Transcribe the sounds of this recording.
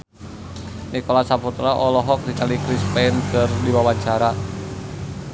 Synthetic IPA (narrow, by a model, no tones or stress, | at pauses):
nikolasaput̪ɾaʔɔlɔɦɔk̚dikalikɾispɛnkərdiwawat͡ʃaɾa